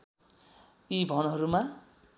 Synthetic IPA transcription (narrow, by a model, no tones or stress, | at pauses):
ibʱʌnɦʌɾuma